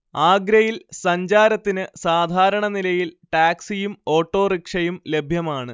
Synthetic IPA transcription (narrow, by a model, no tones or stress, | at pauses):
aːɡɾɐjilsɐɲd͡ʑaːɾɐt̪ːinɨsaːd̪ʱaːɾɐɳɐnilɐjilʈaːksijumo̞ːʈːo̞ːrikʂɐjumle̞bʱjɐmaːɳɨ